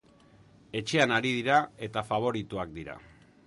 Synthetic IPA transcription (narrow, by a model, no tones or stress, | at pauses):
e̞t͡ʃe̞anaɾiðiɾae̞t̪afaβ̞o̞ɾit̪uak̚d̪iɾa̰